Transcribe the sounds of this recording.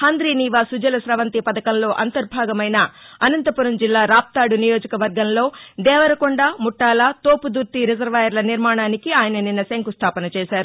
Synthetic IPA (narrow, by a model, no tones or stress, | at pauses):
hand̪ɾiːniːʋaːsud͡ʒɐlɐsɾɐʋɐnt̪ipɐd̪ɐkɐnlo̞ːʔɐnt̪ɐɾbʱaːɡɐmɐjnɐɐnɐnt̪ɐpuɾɐmd͡ʒilːaːɾaːp̚t̪aːɽunijoːd͡ʒɐkɐʋɐɾɡɐmlo̞ːd̪ɛːʋɐɾɐkuɳɖaːmuʈːaːlat̪oːpud̪uɾt̪iɾid͡ʒɐɾʋaːjɐɾlɐniɾmaːɳaːnikiaːjɐnɐninːɐseŋkust̪ʰaːpɐnɐt͡ʃɛːʃaːɾu